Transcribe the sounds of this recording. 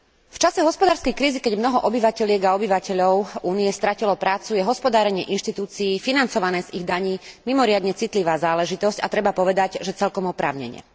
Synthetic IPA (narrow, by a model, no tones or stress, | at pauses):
ft͡ʃasɛɦɔspɔd̪aːɾskɛjkɾiːzikɛɟmnɔɦɔʔɔbiʋacɛʎɪɛɡaɔbiʋacɛʎɔʊuːnijɛst̪ɾacilɔpɾaːt͡sujɛɦɔspɔd̪aːɾɛɲɪɛʔinʃt̪it̪uːt͡siiːfinant͡sɔʋanɛːziɣd̪aɲiːmimɔɾɪad̪ɲɛt͡sit̪liʋaːzaːlɛʒit̪ɔsca̰t̪ɾɛbapɔʋɛd̪aɟʒɛt͡sɛlkɔmɔpɾa̰ːʊɲɛ̰ɲɪɛ̰